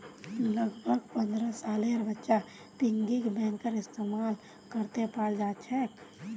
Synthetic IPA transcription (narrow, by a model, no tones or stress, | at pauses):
ləɡbʱəɡpə̃nd̪ɾəsaːleəɾbətːʃa | pɪŋɡikbɛ̃ːnkəɾɪst̪emaːl | kəɾt̪epaɽd͡ʒaːt͡ʃʰɛːk